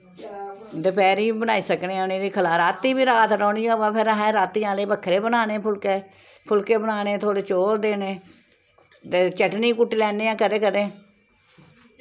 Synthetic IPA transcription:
d̪əpɛːɾiːbənaːiːsəknẽːneːd̪iːkʰəlaːɾaːt̪ːiːbiːɾaːt̪ɾɔːniːoːbãːpʰɪɾɦɛːɾaːt̪iːãːleːbəkʰːɾeːbənaːneːpʰʊlkeː | pʰʊlkeːbənaːneːt̪ʰoːɽeːt͡ʃoːɾd̪eːneː | t̪eːt͡ʃəʈniːkʊʈːiːlɛːneːãːkəd̪eːkəd̪eː

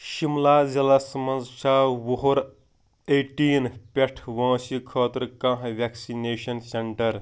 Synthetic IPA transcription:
ʃimlaːd͡ʒɐlasɐmɐnzʃaːwoɦoɾ | eːʈiːnpʲeʈʰʋãːsikʰɔːt̪ɾkãɦʋæksineːʃɐnseɳʈɐɾ

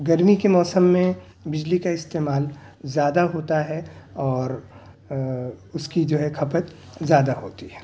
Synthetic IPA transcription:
ɡɐɾmikemɔːsəmːẽ | bɪd͡ʒlikaɪst̪eːmaːl | zjaːd̪aɦoːt̪aɦɛɔːɾ | ʊskid͡ʒoːɦɛkʰɐpət̪zjaːd̪aɦoːt̪iɦɛː

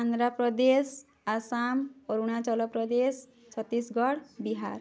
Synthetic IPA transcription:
and̪ɾapɾɔd̪es | asamkɔɾuɽ̃at͡ʃɔlɔpɾɔd̪es | t͡ʃʰɔt̪ːisɡɔɽbiɦa̰ɾ

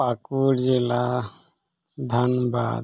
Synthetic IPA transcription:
akuɾd͡ʒila | d̪ʱɐnba̰d̪

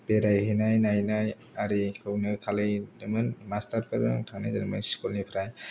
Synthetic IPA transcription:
peɾajhinajnajnaj | aɾikʰɯwnɯkʰalɯdɯmɯnmastaɾpʰɯɾɯtʰana̰jzanmɯnskulnipʰɾaj

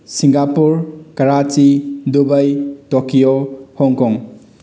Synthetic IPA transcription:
siŋɡapuɾkɐɾat͡ʃidubəjtokijohɔŋkɔŋ

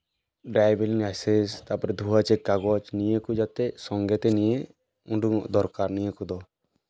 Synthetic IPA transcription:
ɖajbeliŋajsest̪apɔɾɛd̪ʱuɦat͡ʃɛkaɡɔt͡ʃnijəkud͡ʒat̪ɛsɔŋɡɛt̪ɛnije | uɳɖuŋɔʔd̪ɔɾkaɾnijəkud̪ɔ

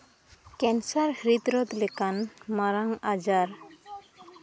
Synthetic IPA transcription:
kɛnsaɾhɾid̪ɾɔt̪lɛkanmaɾaŋad͡ʒaɾ

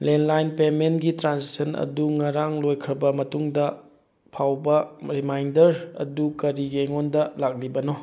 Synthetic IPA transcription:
lenlajnpementɡitɾansisʰɐnɐ̰duŋɐɾaŋlojkʰɾɐbɐmɐtuŋdɐ | pʰawbɐɾimajndɐɾɐ̰dukɐɾiɡeŋondɐlak̚libɐno

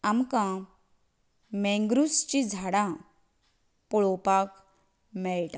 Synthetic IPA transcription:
amkã | mẽŋɡɾust͡ɕid͡zʱaɽã | pɔɭɔpak | mɛɭʈa

